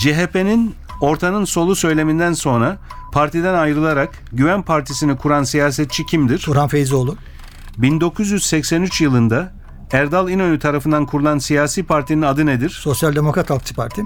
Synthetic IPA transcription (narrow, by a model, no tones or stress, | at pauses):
d͡ʒeɦepe̞nin | o̞ɾt̪ʰanɯnso̞lˠusø̞jlʲe̞mind̪ænso̞nɾa | pʰaɾt̪ʰid̪ænajɾɯlˠaɾak | ɟyvænpʰaɾt̪ʰisinikʰuɾansijaːsɛt̪̚t͡ʃʰicʰimd̪iɾ̥uɾhanfejizolˠu | bind̪o̞kʰuzjyz̥sɛcsɛnyt͡ʃjɯlˠɯnd̪a | æɾd̪alˠinø̞nyt̪ʰaɾafɯnd̪ankʰuɾulˠansijaːsiːpʰaɾt̪ʰininad̪ɯne̞d̪iɾ̥so̞sjalʲd̪emokɾat̪ʰalˠkt͡ʃʰɯ̥pʰaɾt̪ʰi